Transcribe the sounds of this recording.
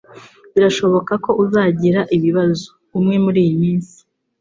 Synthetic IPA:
βiɾaʃo̞βo̞kako̞ʔuzaːɟiɾaʔiβiβazo | umŋe̞muɾiːjimiːnsi̥

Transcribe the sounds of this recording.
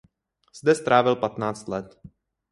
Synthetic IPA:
z̥d̪ɛst̪ɾʔaːvɪlpat̪naːt͡st̪lɛt̪

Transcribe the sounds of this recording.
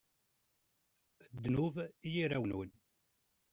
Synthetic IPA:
əd̪ːnuvijiɾæwnun

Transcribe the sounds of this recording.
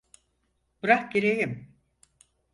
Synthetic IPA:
b̥ɯɾakɟeɾejim

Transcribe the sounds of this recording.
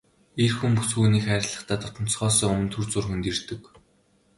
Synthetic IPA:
irxumpusxuːniːxæːɾʲɪ̆ɮə̆χt̪ʰæːt̪ʰʊt̪ɞ̆n̥sχɔːsœːŋɵmɵ̆nt̪ʰɵrt͡sʊːrxunt̪irt̪ɘ̆k

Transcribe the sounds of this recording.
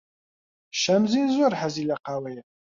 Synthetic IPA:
ʃæmzinzʊɾħazilæqawæjə

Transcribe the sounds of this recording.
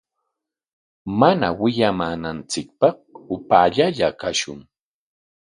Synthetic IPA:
mana̰wɪʎamaːnant͡sɪk̚pɑχʊpaːʎaʎakaʃʊŋ

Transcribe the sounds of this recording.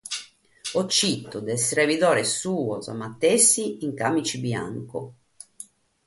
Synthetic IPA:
ɔt͡ʃːit̪ːud̪ɛsɾeviðɔːɾesuːɔza̰mat̪ːesːiːŋkamit͡ʃibja̰ŋkʊ̰

